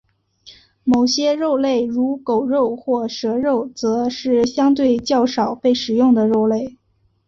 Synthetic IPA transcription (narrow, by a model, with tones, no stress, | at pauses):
mo˨˩ʊɕjɛ˥ɻo˥˧ʊle˥˩ɪɻu˧˥ko˨˩ʊɻo˥˧ʊxwɔ˥˩ʂɤ˧˥ɻo˥˩ʊt͡sɤ˧˥ʂɻ̩˥˩ɕjɑ˥ŋt̪̬we˥˧ɪt͡ɕjɑ˥˩ʊʂɑ˨˩ʊpe˥˩ɪʂɻ̩˨˩jʊ˥˩ŋd̪ə˩ɻo˥˧ʊle˥˩ɪ